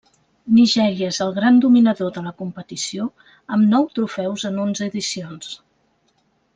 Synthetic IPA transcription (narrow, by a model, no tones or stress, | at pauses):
niʒɛɾiəezəlˠɣɾand̪uminəðoðələkumpət̪isio | əmnɔwt̪ɾufɛwzənonzəːðisions